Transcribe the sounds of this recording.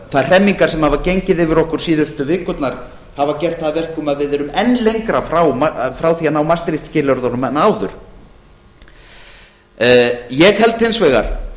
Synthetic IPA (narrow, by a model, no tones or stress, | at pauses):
θaj̥r̥ɛmːiŋkaɾ̥sɛmhavacejɲcɪðɪvɪɾɔhkʏɾ̥siːðʏst̪ʏvɪːkʏt̪naɾ̥ | havacɛr̥t̪θaðvɛr̥kʏmaðvɪðɛɾʏmɛnːlejŋkɾafɾawmafɾaːwθianawmast̪ɾiht̪scɪːlœɾðɔnʏmɛnːaːwðʏɾ̥ | jɛɣhɛlt̪hɪnsvɛɣa̰ɾ̥